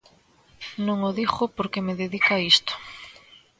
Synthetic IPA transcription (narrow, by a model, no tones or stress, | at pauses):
nõŋoðixʊpoɾkemeðeðikaist̪ʊ̥